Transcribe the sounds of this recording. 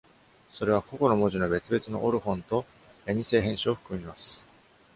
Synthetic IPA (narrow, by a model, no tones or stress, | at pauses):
so̞ɾe̞β̞ako̞ko̞no̞mo̞ʑino̞be̞t͡sɨbe̞t͡sɨno̞ʔoɾɯ̟hõ̞nt̪o̞ | jaɲ̟ise̞ːɦẽ̞ɰ̃ɕioɸɯ̥kɯ̟mʲimasɨ̥